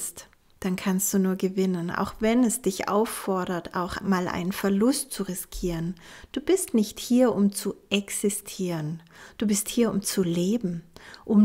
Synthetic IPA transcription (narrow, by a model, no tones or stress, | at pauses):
st | d̥ankʰanst̚d̥uːnuːɐɡəvɪnənʔa̰ʊxv̥ɛnɛsd̥ɪçʔa̰ʊfɔɐɾɐta̰ʊxmaːlʔa̰ɪnənfɛɐlʊstt͡suʁɪskʰiːʁənd̥uːbɪstnɪçthiːɐʔʊmt͡suʔɛksɪstʰiːʁənd̥uːbɪsthiːɐʊmt͡suleːbm̩ʔʊm